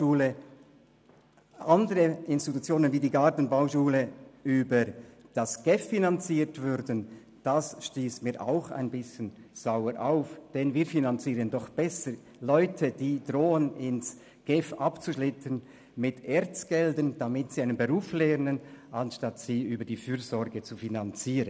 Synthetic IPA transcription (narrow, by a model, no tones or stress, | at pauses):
uːlə | ʔɑndəɾəɪnstitut͡sjoːnənviːdiːɡaʁtn̩baʊʃuːləʔyːbəd̥asɡ̥ɛfːinant͡siːtvʏɾdən̩ | d̥asʃtiːsmiːʔa̰ʊxa̰ɪnbɪsçən | z̥aʊəɾʔaʊfd̥ɛnviːfinant͡siːʁəndɔχb̥ɛsəɾ | lɔʏtʰəd̥iːd̥ʁoːənɪns | ɡ̥ɛfʔapt͡suʃlɪtʰən | mɪtʰeːɾt͡sɡ̥ɛldənd̥amɪtsiaɪnənbəʁuːflɛːnənʔanʃtatsiːyːbədiːfyːɾzɔɾɡət͡sufinant͡siːʁən